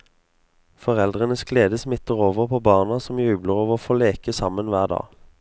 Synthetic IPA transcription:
fɔʁɛld̪ʁənəsɡleːd̪əsmɪt̪əʁoːʋəʁpʰoːbɑːʁnɑsɔmjʉːbləʁoːʋofoːleːkəsɑmənʋæːʁd̪ɑ̰ː

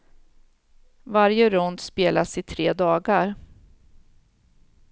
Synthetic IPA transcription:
vaɾjəɾɔnd̪speːlasɪt̪ʰɾeːd̪ɑːɡaɾ

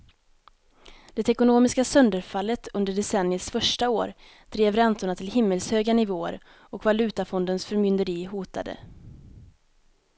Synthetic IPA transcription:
d̪̥ɛt̪ɛkʊnoːmɪskasœnd̪əɾfalːət̪ʰɵnd̪əɖɛsɛnːɪəsfœʂʈao̰ːɾ | d̪̥ɾeːvɾɛnt̪ʊɳat̪ʰɪlhɪmːəlshøːɡanɪvoːə̰ɾ | ɔkvalʉ̟ːt̪afɔnd̪ənsfœɾmʏnd̪əɾiːɦuːt̪a̰d̪ə̰

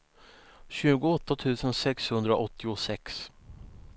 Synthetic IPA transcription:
ɕʉ̟ːɡʊɔt̪ːat̪ʰʉ̟ːsənsɛkshɵnd̪ɾaʔɔt̪ːɪʊsɛks

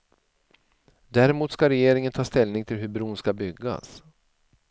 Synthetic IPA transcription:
d̪æɾɪmuːt̪skaɾɛjeːɾɪŋənt̪ʰɑːst̪ɛlnɪŋt̪ʰɪlɦɵbɾuːnskabʏɡːa̰s

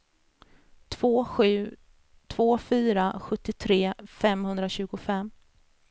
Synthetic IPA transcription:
t̪ʰvoːfyːɾaɧɵt̪ːɪt̪ʰɾeːfɛmhɵnd̪ɾaɕʉ̟ːɡʊfɛmː

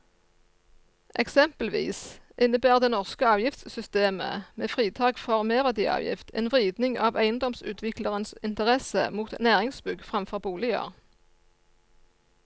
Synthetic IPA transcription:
ʔɛksɛmpəlʋḭːsʔɪnəbæːʁd̪eːnɔʁskəɑːʋjɪft̪ssʏst̪eːmə̰meːfʁiːt̪ʰɑːkfɔʁmeːʁʋæd̪iːʔɑ̰ːʋjɪ̰ft̪ʰḛːnʋʁiːd̪nɪŋɑːʋæɪənd̪ɔmsʉ̰ːt̪ʰʋɪkləʁənsɪnt̪əʁɛsə̰muːt̪næːʁɪŋsbʉɡfʁɑmfɔʁbuːlɪə̰ʁ

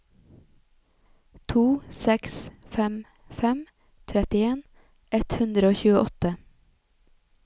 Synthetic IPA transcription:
t̪ʰuːsɛksfɛm | fɛm | t̪ʰɾɛt̪ɪeːn | ʔɛt̪hʉnd̪ɾəoːçʉːəʔɔt̪ə

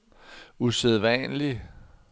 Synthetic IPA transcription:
useðˠʋɛnli

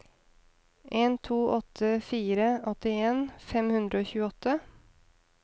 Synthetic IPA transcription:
ʔeːnt̪ʰuːʔɔt̪ʰːəfiːɾəɔt̪ɪeːnfɛmhʉnd̪ɾəoːçʉːəɔt̪ʰːə

